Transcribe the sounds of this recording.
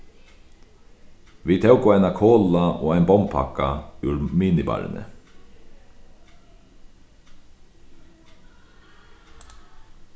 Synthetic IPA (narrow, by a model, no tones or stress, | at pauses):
viːt̪ʰɛwkʊajnakʰɔːlaɔːajnbɔmpʰa̰kaʉɾmiːnɪba̰ːɾɪ̰nə̰